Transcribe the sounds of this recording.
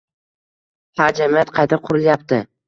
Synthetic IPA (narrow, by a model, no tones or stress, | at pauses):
had͡ʒamijat̪qʰɑjt̪ʰaqʰʊɾɪljap̚t̪ɪ